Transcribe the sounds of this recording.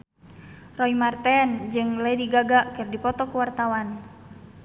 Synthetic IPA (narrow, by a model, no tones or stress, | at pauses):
rɔimart̪ɛnd͡ʒɨŋlediɡaɡaʔkɨrdipɔt̪ɔkuwart̪awan